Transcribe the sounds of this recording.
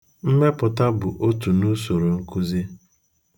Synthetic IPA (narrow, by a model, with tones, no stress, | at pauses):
m̩˦me˦pʊ˨ta˦bʊ˨ʔo˦tu˨nu˦so˨ɾo˨ŋ̩˦ku˦zi˦